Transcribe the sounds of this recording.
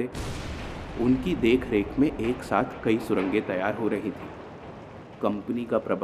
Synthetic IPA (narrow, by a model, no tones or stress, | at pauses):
eː | ʊnkid̪eːkʰɾeːkʰmẽʔeːksaːt̪ʰkɐisʊɾə̃ŋɡẽt̪ɐjaːɾɦoɾɐɦit̪ʰiː | kɐ̃mpənikapɾɐb